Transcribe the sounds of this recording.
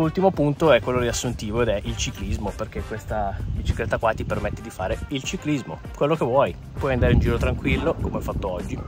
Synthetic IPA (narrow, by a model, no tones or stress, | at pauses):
ult̪imopunt̪oɛkwelːod̪iasːunt̪iːvoed̪ɛʔilt͡ʃiklizmoperk̟ekːwest̪abit͡ʃiklet̪ːakwat̪ipermet̪ːed̪ifaːɾeilt͡ʃiklizmokwelːokevːwɔj | pwɔjand̪aːɾeund͡ʒiːɾot̪ɾaŋkwilːokomeɔfat̪ːoɔd͡ʒːi